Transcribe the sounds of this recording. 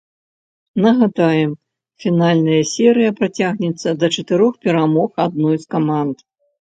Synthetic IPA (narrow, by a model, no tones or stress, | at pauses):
nɐɣad̪ajɛm | fʲinalʲnɐjɐsʲɛɾɨjɐpɾat͡sʲaɣnʲɛt̪sːɐd̪ɐt͡ʂɐt̪ɨɾɔxpʲɛɾamɔxad̪̚nɔjskamant̪